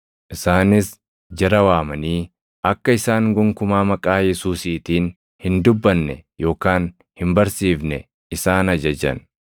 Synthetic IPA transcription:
ʔɪsaːnɪs | d͡ʒɐɾɐwaːmɐniː | ʔɐkːɐɪsaːŋɡʊŋkʊmaːmɐkʼaːjɛsuːsiːt̪iːn | hɪnd̪ʊbːɐnːɛjo̞ːkaːn | hɪmbɐɾsiːfnɛ̰ | ɪsaːnɐd͡ʒɐd͡ʒɐ̰n

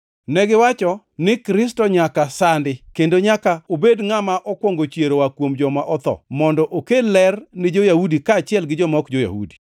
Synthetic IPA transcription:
nɛɡɪwat͡ʃɔ | nɪkɾɪstɔɲakasandɪkendoɲakaobedŋamaʔɔkwɔŋɡot͡ʃjeɾowakwomd͡ʒɔmaʔɔt̪ɔ̰mɔndɔʔokelɛrnɪd͡ʒojahudikaːt͡ʃɪɛlɡɪd͡ʒɔmɔkd͡ʒoja̰hṵdi̥

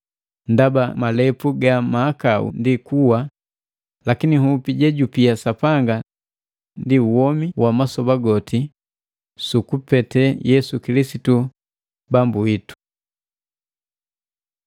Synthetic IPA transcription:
ndabamalɛpuɡamaːkaṵndikuwa | lakiniɦupiɟɛɟupiasapaŋɡa | ndiuwɔmiwamasɔbaɡɔti | sukupɛtɛjɛsukilisitu | bambuitu̥

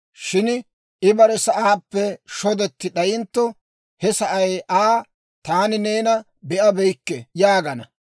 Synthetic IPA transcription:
ʃɪn | ɪbɐɾɛsɐʔaːpːɛʃɔd̪ɛt̪ːɪɗɐjɪnt̪ːɔ | hɛsɐʔɐjʔaː | t̪aːnɪne̞ːnɐ | bɛʔɐbɛjkːɛjaːɡɐnɐ

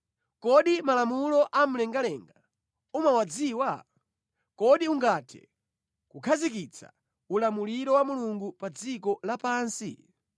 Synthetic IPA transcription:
kɔɗimalamulɔʔam̩lɛŋɡalɛŋɡa | umawad͡ziːwa | kɔɗiuŋɡatʰɛ̰ | kukʰazikit͡sʰa̰ | ulamuliɾɔwamuluŋɡupad͡zikɔlapaːnsḭ

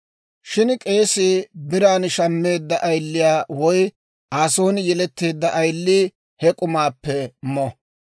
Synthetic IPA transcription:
ʃɪnkʼe̞ːsɪbɪɾaːnʃɐmːe̞ːd̪ːɐʔɐjlːɪjaːwɔj | aːso̞ːnɪjɛlɛt̪ːe̞ːd̪ːɐʔɐjlːiː | hɛkʼʊmaːpːɛmɔ

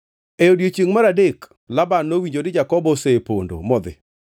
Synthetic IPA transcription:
eodjot͡ʃiŋmaɾadek | labanːowiɲd͡ʒodɪd͡ʒakɔbɔsepo̰ndo̰mɔd̪ɪ̰

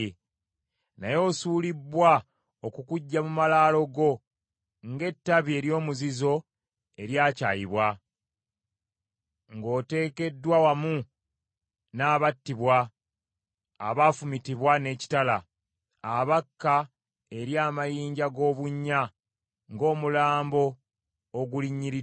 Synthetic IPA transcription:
najo̞ːsuːlibːwa | okukuɟːamumalaːlo̞ɡo̞ | ŋɡe̞tːaβie̞ɾjo̞ːmuzizo̞ | e̞ɾjaːcaːjiβwa | ŋɡo̞ːte̞ːke̞dːwawamu | naːβatːiβwa | βafumitiβwane̞ci̥tala | aβakːa | e̞ɾjaːmajiːɲɟaɡo̞ːβuɲːa | ŋɡo̞ːmulaːmbo̞ː | ɡuliɲːiɾi

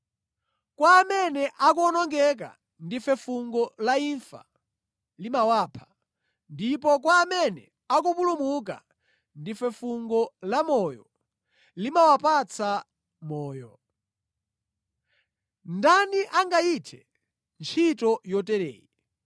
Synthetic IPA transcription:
kwaːmɛnɛʔak̬uːnɔŋɡɛk̬a̰ | ndifɛfuŋɡɔlaiɱfa̰ | limawaːpʰḁ | ndip̬ɔk̬waːmɛnɛ | ak̬upulumuk̬a̰ | ndifɛfuŋɡɔlamɔːjɔ | limawapat͡sʰa | mɔːjɔ | ndaniʔaŋɡaitʰɛ | nt͡ʃʰitɔjɔtɛɾɛ̰ːji

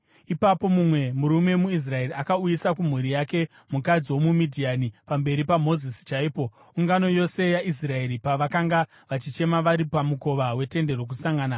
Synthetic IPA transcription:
ipapo̞mumwe̞muɾume̞muis̬rae̞riakaujisakum̤uɾijake̞ | mukad͡ziwo̞mumidʱianipambe̞ɾipamo̞zisi̥t͡ʃaiːpo̞ | uŋɡano̞jo̞se̞jaʔis̬rae̞ɾipaʋakaŋɡa | ʋat͡ʃit͡ʃe̞maʋaɾipamuko̞ʋawe̞te̞nde̞rok̬usaŋɡaːna

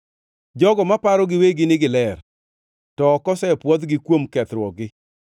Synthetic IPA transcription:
d͡ʒɔɡɔmapaɾɔɡɪweɡɪnɪɡɪlɛr | tɔːkɔsɛpwɔd̪ɡɪkwomkɛt̪ɾwɔɡɪ

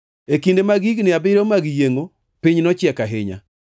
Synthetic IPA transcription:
ekindemaɡiɡnɪabɪɾomaɡjeŋo | piɲnɔt͡ʃjɛkaɦɪɲa̰

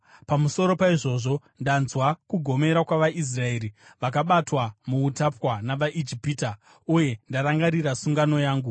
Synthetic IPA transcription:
pamuso̞ɾo̞paiʐo̞ʐo̞ | ndanzwakuɡʱo̞me̞ɾakwaʋaʔis̬rae̞ːɾiʋakaɓatwamuːtapwanaʋaʔid͡ʒipiːta | uje̞ndaɾaŋɡaɾirasuŋɡano̞jaːŋɡu

